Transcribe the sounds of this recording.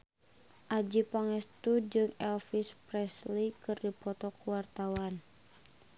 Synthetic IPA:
ʔad͡ʒipaŋɛst̪ud͡ʒɨŋɛlfispɾɛslikɨrdipɔt̪ɔkuwart̪awan

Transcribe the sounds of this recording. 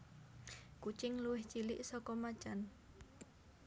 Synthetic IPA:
kut͡ʃɪŋluwɪht͡ʃilɪʔsɔkɔmat͡ʃan

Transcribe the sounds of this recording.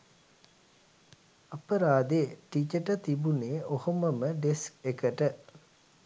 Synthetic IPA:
ɐpəɾaːd̪eːʈit͡ʃəʈət̪ibuneːʔohoməməɖeskekəʈə

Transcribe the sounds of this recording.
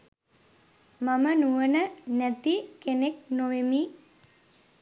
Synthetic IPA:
mamənuʋənənæt̪ikeneknoʋemi

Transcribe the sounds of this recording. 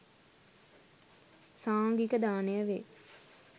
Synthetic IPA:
saːŋɡikəd̪aːnejəʋe

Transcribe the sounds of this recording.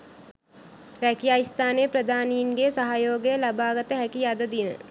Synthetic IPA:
ɾækijaːjist̪ʰaːnejəprəd̪ʱaːnijinɡesaɦajoːɡəjəlabaːɡət̪əɦɛkijad̪əd̪inə̰

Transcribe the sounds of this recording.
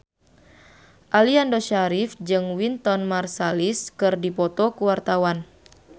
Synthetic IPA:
ʔaliandɔʃaɾifd͡ʒɨŋwint̪ɔnmarsaliskɨrdipɔt̪ɔkuwart̪awan

